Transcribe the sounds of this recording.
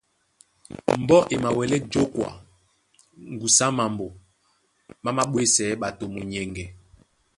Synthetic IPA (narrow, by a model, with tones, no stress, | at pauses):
m̩˨bɔ˦ʔe˨ma˨wɛ˨lɛ˦d͡ʒo˦kwa̰˨ | ŋ˨ɡu˨sa˦ma˨mbo˨ | ma˦ma˦ɓwe˦sɛ˨˦ɓa˨to˨mo˨ɲɛ˨ŋɡɛ˨